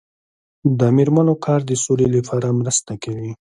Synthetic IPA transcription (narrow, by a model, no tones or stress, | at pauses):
d̪əmiɾmanokʰɑɾd̪əsoleləfaɾamɾəst̪akawi